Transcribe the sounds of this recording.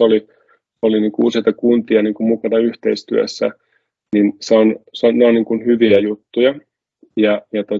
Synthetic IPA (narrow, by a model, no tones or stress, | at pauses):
oli | oliniːŋkuuːsit̪ɑkunt̪iɑniːŋkummukɑnɑyht̪eist̪yø̰sːæ̰ | ninseonsonneoniːŋkunhyʋiæjut̪ːujɑ | jɑjɑt̪o